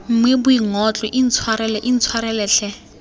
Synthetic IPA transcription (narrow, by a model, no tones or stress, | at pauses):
m̩mwebʊiŋɔt͡ɬʼɔʔin̩t͡sʰwaɾɛlɛʔin̩t͡sʰwaɾɛlɛːɬɛ